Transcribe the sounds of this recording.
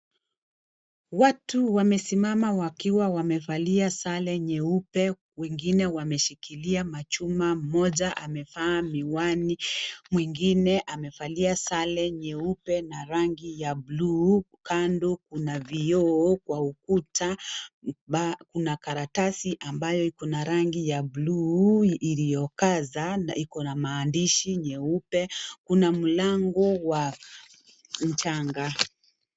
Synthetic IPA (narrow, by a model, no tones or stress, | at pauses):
watuwamɛsimamawakiwawamɛfaliasalɛɲɛupɛ | wɛŋɡinɛwamɛʃikiliamat͡ʃumam̩mɔʄaʔamɛfaːmiwanimwiŋɡinɛʔamɛfaliasalɛɲɛupɛnaɾaŋɡijablu | kandɔkunaviɔːkwaukutʰa | ɓakunakaɾatasiʔambajɔikɔnaɾaŋɡijabluilijɔkazaikɔnamaːndiʃiɲɛupɛkunam̩laŋɡɔwa | m̩t͡ʃaŋɡa